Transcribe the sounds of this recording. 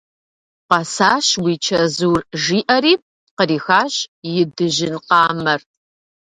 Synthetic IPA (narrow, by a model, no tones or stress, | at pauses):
qɑsaːɕwiːt͡ʃʰɐzuːrʒiːʔɐɾiːp̚ | qəɾiːxaːɕjɪdɨʒɪnqɑːmɐr